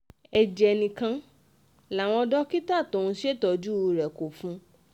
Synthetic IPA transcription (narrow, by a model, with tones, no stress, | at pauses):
ɛ˨d͡ʒɛ˨nĩ˨kã˧ | la˨w̃ɔ̃˧dɔ˦ki˦ta˦˨to˨ũ˧ʃe˦˨tɔ˧d͡ʒu˦˧ɾɛ˨ko˨fũ˧˦